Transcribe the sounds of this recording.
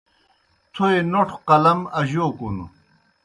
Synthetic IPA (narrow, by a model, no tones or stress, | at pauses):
t̪ʰoenoʈʰqɐlɐmɐʑoːkunṵ